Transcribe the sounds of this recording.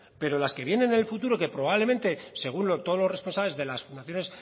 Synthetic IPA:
pe̞ɾo̞laske̞βjenẽ̞nelfut̪uɾoke̞pɾo̞β̞aβlemẽnt̪e̞se̞ɣ̞unlot̪oðlo̞re̞spo̞nsaβle̞zðe̞lasfund̪aθjo̞ne̞s

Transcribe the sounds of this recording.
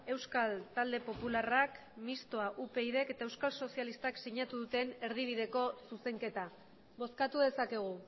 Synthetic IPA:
e̞wskalt̪ald̪e̞po̞pularak | mist̪o̞aʔupe̞iðe̞ke̞t̪ae̞wskalso̞sialist̪aksiɲat̪uðut̪e̞ne̞ɾð̞iβ̞iðe̞ko̞suse̞ŋke̞t̪a | βo̞skat̪uðe̞sake̞ɣ̞u

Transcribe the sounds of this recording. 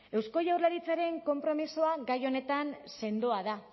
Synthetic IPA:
e̞wsko̞ʝawrlaɾit͡saɾe̞ŋko̞mpɾo̞misoaɡajo̞ne̞t̪anse̞nd̪oaða

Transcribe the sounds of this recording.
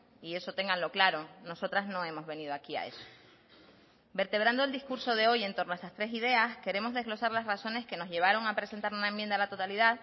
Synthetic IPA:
ie̞so̞t̪e̞ŋɡanlo̞klaɾo̞no̞so̞t̪ɾaznõe̞mo̞zβe̞nið̞oakia̰e̞̰so̥ | be̞ɾt̪e̞β̞ɾand̪oe̞ld̪iskuɾso̞ðe̞o̞je̞nt̪o̞ɾnoest̪ast̪ɾe̞s̬ið̞e̞aske̞ɾe̞mo̞zðe̞zɣlo̞saɾlazraso̞ne̞ske̞no̞zʝe̞β̞aɾo̞ŋapɾe̞se̞nt̪aɾunaemjend̪alat̪o̞t̪aliðað

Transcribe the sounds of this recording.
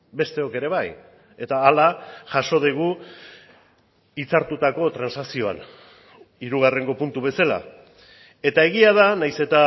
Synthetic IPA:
be̞st̪e̞o̞ke̞ɾe̞β̞aj | e̞t̪aːlaʝaʃo̞ð̞eɣ̞u | it͡saɾt̪ut̪ako̞t̪ɾansaksio̞a̰n | iɾuɣ̞are̞ŋɡo̞punt̪uβ̞e̞sala̰ | e̞t̪ae̞ɣ̞iað̞anajse̞t̪a

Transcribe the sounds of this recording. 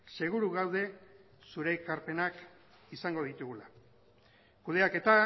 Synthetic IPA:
se̞ɣ̞uɾuɣawð̞e̞ | suɾe̞kaɾpe̞nak | isaŋɡo̞ð̞it̪uɣula | kuð̞e̞ake̞t̪a

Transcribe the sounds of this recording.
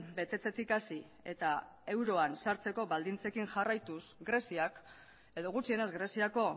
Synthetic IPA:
be̞t̪e̞t͡s̪e̞t̪ikasi | e̞t̪ae̞wɾo̞ansaɾt͡se̞ko̞βald̪int͡se̞kiŋʝarajt̪usɡɾe̞siak | e̞ðo̞ɣ̞ut͡sie̞ne̞zɡɾe̞siako̞

